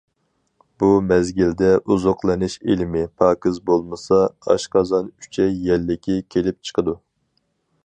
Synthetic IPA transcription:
b̥umɛzɡʲild̪ɛʔuzoqlˠɨnɪʃelɪmɪpʰɑːkɨzbolˠmɨsɑɑ̰ʃqɑzɑny̥t͡ʃʰɛjɛlːɪkʲʰikʲʰelɪp̚t͡ʃʰə̥qʰəd̪u

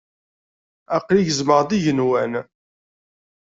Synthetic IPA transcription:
æqliʝəzməʁðiʝənwæn

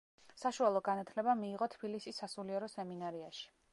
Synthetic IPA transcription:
saʃualˠɔɡanat̪ʰlɛbamiːʁɔt̪ʰb̥ilisisːasuliɛɾɔsɛminaɾiaʃi̥

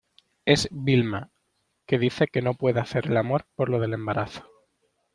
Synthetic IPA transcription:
e̞zβilma | ke̞ð̞iθe̞ke̞no̞pwe̞ðeaθe̞ɾelamo̞ɾpo̞ɾlo̞ðe̞le̞mbaɾʔaθo̥

